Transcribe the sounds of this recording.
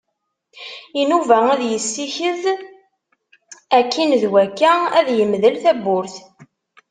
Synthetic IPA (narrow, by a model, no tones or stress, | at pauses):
inuvææðjəsːiçəð | ækːinðwækːææðjəmðəlθæbːʊɾθ